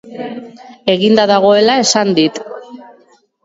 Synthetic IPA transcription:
e̞ɣind̪aðaɣ̞o̞e̞lae̞sand̪it̪

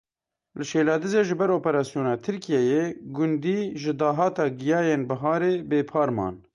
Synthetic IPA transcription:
lɨʃeːlɑːd̪ɨzeːʒɪbɛɾoːpɛɾɑːsijoːnɑːt̪ʰɨɾkʰijɛjeːɡʊnd̪iːʒɪd̪ɑːɦɑːt̪ɑːɡɪjɑːjeːnbɐɦɑːɾeːbeːpʰɑːɾmɑ̰ːn

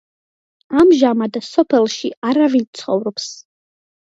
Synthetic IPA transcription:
amʒamad̪sɔpʰɛlʃiaɾavit͡sʰχɔ̰wɾopʰs

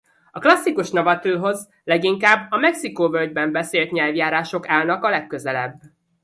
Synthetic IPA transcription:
ɒklɒsːikuʃnovɒt̪øːɦo̞z | lɛɡiŋkaːbːɒmɛksikoːvøld̪bɛmbɛseːlt̪ɲɛlvjaːɾaːʃo̞kaːlnɒkɒlɛkːø̞zɛlɛ̰bː

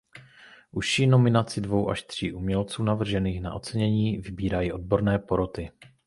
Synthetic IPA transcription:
ʔuʃino̞mɪnat͡sɪdvo̞wʔa̰ʃt̪r̝̥ḭːʔumɲɛlt͡suːnavr̩ʒɛniːxna̰ʔo̞t͡sɛɲɛɲiːvɪbiːɾajiːʔo̞d̚bo̞ɾnɛːpo̞ɾo̞t̪ɪ

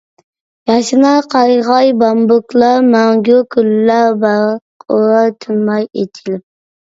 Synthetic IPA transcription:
jɑʃɨnɑqʰɑjʁɑjbɑmbʊklˠɑɾmæŋɡʲukʰulːæɾbæ | oɾɑt̪ʰynmɑjet̪ʰɪlɪp̚

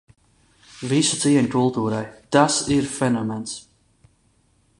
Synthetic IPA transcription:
visut̪siɛɲkulˠt̪uːɾajt̪asiɾfɛnɔmɛns

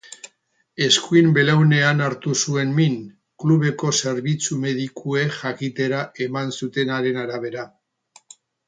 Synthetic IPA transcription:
e̞skuimbe̞lewne̞anaɾt̪usue̞nmin | kluβe̞ko̞se̞ɾβit͡sume̞ðikʰue̞xakit̪e̞ɾae̞mansut̪e̞naɾe̞naɾaβ̞e̞ɾa

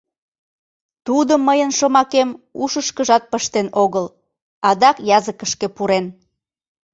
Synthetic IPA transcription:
t̪ud̪əmːəjənʃomɑkemuʃəʃkəʒɑt̪̚pəʃt̪enoɣəl | ɑd̪ɑkjɑzəkəʃkepuɾen

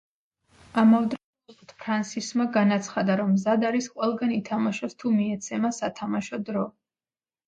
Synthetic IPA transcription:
amavd̪ɾɛ | ut̪ʰpʰɾansismaɡanat̪sʰχad̪aɾɔmːzad̪aɾisqʼwɛlˠɡanit̪ʰamaʃɔst̪ʰumiɛt̪sʰɛmasat̪ʰamaʃɔd̪ɾɔ

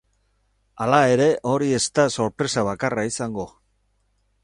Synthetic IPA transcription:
alae̞ɾe̞ʔo̞ɾie̞st̪aso̞ɾpɾe̞saβ̞akaraisaŋɡo̞

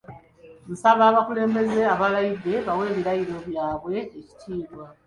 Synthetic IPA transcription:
musaβaːβakule̞ːmbe̞ze̞aβalajiðe̞βawe̞ːβiɾajiɾo̞βjaːβwe̞eci̥tʰiːβwa

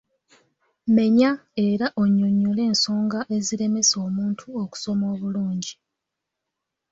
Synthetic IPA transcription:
me̞ɲae̞ɾaʔoɲːoɲːole̞ːnso̞ːŋɡaʔe̞ziɾe̞me̞so̞ːmuːntʰuoku̥so̞mo̞ːβuluːɲɟi

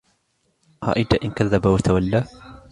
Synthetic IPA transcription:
ha̰ʔɪd̪aʔɪnkaðːabawɐt̪ʰawalːa

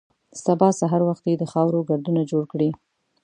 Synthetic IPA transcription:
sabɑsaɦaɾwaxt̪jed̪əxɑwɾoɡaɾd̪unad͡ʒoɽkɽi

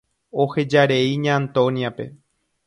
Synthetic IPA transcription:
o̞he̞d͡ʒaɾe̞iɲãːnt̪õnjape̞̰

